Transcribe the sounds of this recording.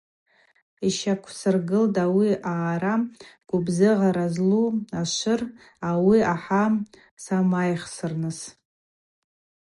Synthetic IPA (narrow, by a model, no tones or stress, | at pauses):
iʃakʷʰsɨrɡɨldawiʔaːɾaɡ̥ʷʊbzɨʁaɾazluaʃʷɨr | awiaħa | samajχsɨrnɨs